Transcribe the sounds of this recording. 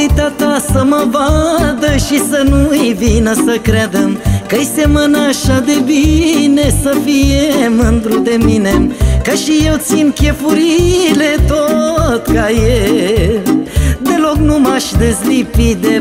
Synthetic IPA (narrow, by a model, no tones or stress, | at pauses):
jt̪at̪asəməvad̪əʃisənujvinəsəkɾad̪emkəjsemənəːʃad̪ebinesəfijemɨnd̪ɾud̪eminemkaʃijewt̪sinkʲefuɾilet̪ot̪kaje | d̪e̞loknumaʃd̪ezlipid̪e